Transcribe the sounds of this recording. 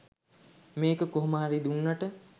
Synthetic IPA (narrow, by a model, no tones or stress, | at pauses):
meːkəkoɦuməɦaɾid̪unːaʈə